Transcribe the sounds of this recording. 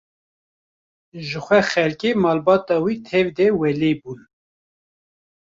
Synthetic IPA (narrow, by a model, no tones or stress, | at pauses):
ʒɨxʷɛxɛlkeːmɑːlbɑːt̪ɑːwit̪ʰɛvd̪ɛwɛlebun